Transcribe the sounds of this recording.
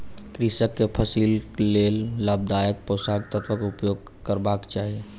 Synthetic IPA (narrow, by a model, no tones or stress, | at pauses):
kɾisəkːepʰəsillelːab̚d̪ajək̚pɾosaɡ̚t̪ət̪bəkʊpjoɡ̚ | kəɾbakt͡ʃaːɦie